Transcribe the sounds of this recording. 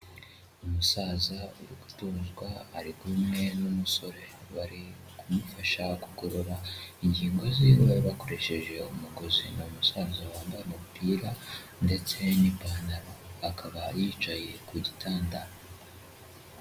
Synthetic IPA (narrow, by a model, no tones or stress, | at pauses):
umusaːzauɾiɡutuːnzɡwaːɾiɡumŋe̞numuso̞ɾe̞βaɾi | kumufaʃakuɡo̞ɾoɾaiɲɟiːŋɡo̞ziβaɾiβako̞ɾe̞ʃe̞ʒe̞umuɡo̞zinomusaːzawaːmbaɾemupiːɾa | nde̞t͡se̞nipaːnaɾoakʰaβajiːt͡ʃaje̞kuɟitʰaːndaɾo